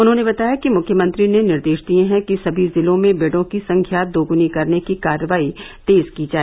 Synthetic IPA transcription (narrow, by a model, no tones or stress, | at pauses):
ʊnɦõnebɐt̪aːjakimʊkʰjəmə̃nt̪ɾinenɪɾd̪eːʃd̪iẽɦɛ̃kisɐbʱizɪlõmẽbeːɽõkisɐ̃ŋkʰjaːd̪oːɡʊnikɐɾnekikaːɾəʋaːit̪eːzkid͡ʒaːe